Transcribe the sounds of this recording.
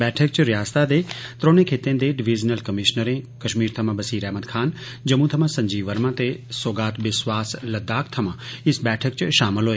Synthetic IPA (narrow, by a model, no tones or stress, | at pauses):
bɛːʈʰək̚t͡ʃɾɪjaːst̪ad̪eːt̪ɾõːnẽkʰeːt̪ẽːd̪eɖɪʋiːd͡ʒnəlkɐmɪʃnəɾẽːkɐʃmiːɾt̪ʰɐmãbɐsiːɾɛːməd̪kʰaːn | d͡ʒɐmũt̪ʰɐmãsɐ̃ɲd͡ʒiːʋəɾmãt̪esoːɡaːt̪ʋɪswaːslɐd̪aːkt̪ʰɐmãɪsbɛːʈʰəkt͡ʃʃaːmɪlɦoːeː